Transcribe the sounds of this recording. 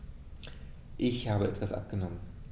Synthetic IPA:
ʔɪçhaːbəʔɛtv̥asʔa̰p̚ɡ̥ənɔmən

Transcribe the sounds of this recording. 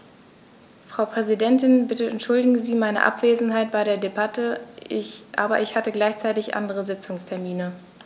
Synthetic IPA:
fʁ̥aʊpʁ̥ɛzidɛntɪnbɪtəɛntʃʊldɪɡŋziːmaɪnə̰ʔa̰pv̥eːzn̩ɦaɪt̚b̥aɪɾdeːɐdebatʰə | ʔa̰ːbɐ̰ʔɪçhatəɡlaɪçt͡saɪtɪçʔa̰ndəʁəzɪt͡sʊŋstʰɛɐmiːnə

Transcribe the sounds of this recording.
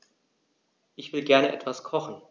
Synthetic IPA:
ʔɪçv̥ɪlɡɛɐnəʔɛtv̥askʰɔχn̩

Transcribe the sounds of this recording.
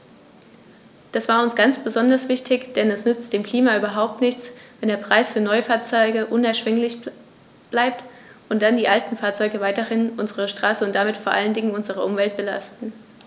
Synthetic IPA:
d̥asv̥aːɐʊnsɡ̥ant͡sb̥əzɔndɐsv̥ɪçtʰɪçd̥ɛnɛsnʏt͡std̥eːmkl̥iːmaʔyːbɐɦaʊp̚tnɪçt͡svɛndeːɐpʁ̥aɪsfyːɐnɔʏəfaːɐt͡sɔʏɡəʔʊnɛɐʃv̥ɪŋlɪç | b̥laɪp̚t | ʔʊnt̚d̥andiːʔaltn̩faːɐt͡sɔʏɡəvaɪtəhɪnʔʊnzəʁəʃtʁ̥aːsəʊntd̥amɪtfoːɐʔaləndɪŋənʊnzəʁ̞əʔʊmvɛlt̚b̥əla̰stn̩

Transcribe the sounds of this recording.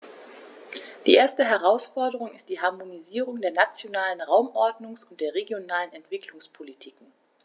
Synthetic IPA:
d̥iːʔeːɐstəɦɛʁaʊsfɔɐdəʁʊŋɪst̚d̥iːɦaɐmoniziːʁ̞ʊŋdeːɐnat͡sjonaːlənʁaʊmʔɔɐdnʊŋsʊnt̚d̥eːɐʁeɡjonaːlənɛntv̥ɪklʊŋspʰolitʰiːkŋ̩

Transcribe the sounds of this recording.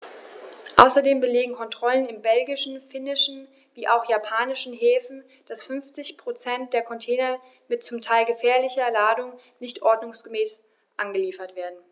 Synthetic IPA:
ʔa̰ʊsɐdeːmbəleːɡŋ̩kʰɔntʁ̥ɔlənɪmbɛlɡɪʃn̩fɪnɪʃn̩ | viːʔa̰ʊxjapʰaːnɪʃn̩ɦeːfn̩ | d̥asfʏnft͡sɪçpʁ̥ot͡sɛnt̚d̥eːɐkʰɔntʰeːnɐ | mɪtt͡sʊmtʰaɪlɡəfɛːɐlɪçɐlaːdʊŋ | nɪçtʔɔɐdnʊŋsɡ̥əmɛːs | ʔanɡəliːfɐtv̥eːɐdn̩

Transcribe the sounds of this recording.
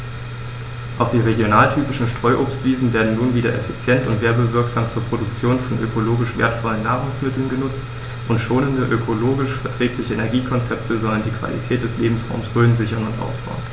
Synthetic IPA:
ʔaʊxd̥iːʁeɡjonaːltʰyːpɪʃn̩ʃtʁ̥ɔʏʔoːpstv̥iːzn̩veːɐdn̩nuːnviːdɐʔɛ̰fit͡sjɛntʊntv̥eːɐbəvɪɐkz̥aːmt͡suːɐpʁ̥odʊk̚t͡sjoːnfɔnʔø̰kʰoloːɡɪʃv̥ḛɐtfɔlənːaːʁʊŋsmɪtl̩nɡənʊt͡st | ʔʊntʃoːnəndəʔøkʰoloːɡɪʃfɛɐtʁ̥ɛːklɪçəenɛɐɡiːkʰɔnt͡sɛp̚tʰəzɔləndiːkv̥a̰lḭtʰɛːt̚d̥ɛsleːbm̩sʁa̰ʊmsʁøːnzɪçɐnʊntʔa̰ʊsb̥a̰ʊən

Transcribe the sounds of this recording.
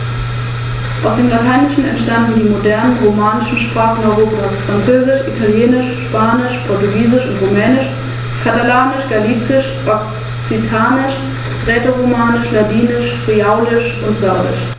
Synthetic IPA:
ʔaʊsd̥eːmlatʰaɪnɪʃn̩ɛ̰ntʃtandn̩diːmodɛɐnənʁomaːnɪʃn̩ʃpʁ̥aːχən̩ɔʏʁoːpʰaːsfʁ̥ant͡søːzɪʃʔitʰaljeːnɪʃʃpaːnɪʃpʰɔɐtuɡiːzɪʃʊntʁomɛːnɪʃ | kʰatalaːnɪʃɡ̥aliːt͡sɪʃ | ʔɔk | t͡sitʰaːnɪʃ | ʁɛːtoʁomaːnɪʃladiːnɪʃfʁ̥iaʊlɪʃʊntz̥aɐdɪ̰ʃ

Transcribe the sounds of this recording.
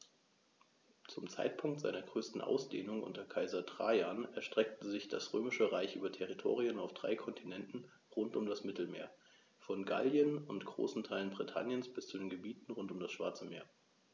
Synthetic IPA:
t͡sʊmt͡sa̰ɪtpʰʊŋktz̥a̰ɪnɐɡʁøːstn̩ʔa̰ʊsd̥ḛːnʊŋʔʊ̰ntɐkʰaɪzɐtʁ̥aːjanɛɐʃtʁ̥ɛk̚təzɪçd̥a̰sʁ̥øːmɪʃəʁaɪçʔyːbɐtʰɛʁitʰo̰ːʁ̞iənaʊfd̥ʁa̰ɪkʰɔntʰinɛntn̩ | ʁʊntʊmdasmɪtl̩mḛːɐ | fɔnɡa̰ljənʊntɡ̥ʁo̰ːsn̩tʰaɪlənbʁitʰa̰njənsb̥ɪst͡sudeːnɡəbiːtn̩ʁʊntʊmdasʃv̥a̰ɐt͡səmḛːɐ

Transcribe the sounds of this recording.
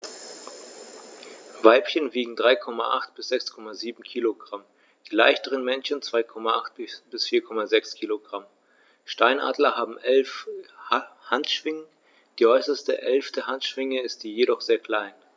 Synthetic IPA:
vaɪpçənviːɡŋ̩dʁaɪkʰɔmaʔaχtb̥ɪsz̥ɛkskʰɔmaziːbm̩kʰiːloɡʁam | d̥iːlaɪçtəʁənmɛnçənt͡sv̥aɪkʰɔmaʔaχt̚b̥b̥ɪsfiːɐkʰɔmazɛkskʰiːloɡʁam | ʃtaɪnʔa̰ːdlɐhaːbm̩ʔɛlf | hantʃv̥ɪŋə | d̥iːʔɔʏsɐstəʔɛlftʰəhantʃv̥ɪŋəɪstz̥iːjeɾɔχz̥eːɐkʰl̥aɪn

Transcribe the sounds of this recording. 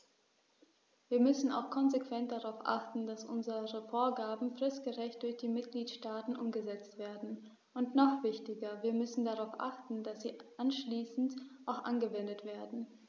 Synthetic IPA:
viːɐmʏsn̩a̰ʊxkʰɔnzekv̥ɛnt̚d̥aʁaʊfʔa̰χtn̩d̥asʔʊnzəʁəfoːɐɡaːbm̩fʁ̥ɪstɡ̥əʁɛçt̚d̥ʊɐçd̥iːmɪt̚ɡ̥liːtʃtaːtn̩ʔʊmɡəzɛt͡stv̥eːɐdn̩ | ʔʊntnɔχv̥ɪçtɪɡɐviːɐmʏsn̩daʁaʊfʔa̰χtn̩dasz̥iːʔanʃliːsn̩tʔaʊxʔa̰nɡəvɛndətv̥eːɐdn̩

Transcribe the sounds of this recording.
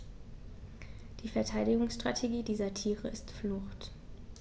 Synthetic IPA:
d̥iːfɛɐtʰaɪdɪɡʊŋsʃtʁ̥a̰tʰeɡiːdiːzɐtʰiːʁəɪstflʊxt

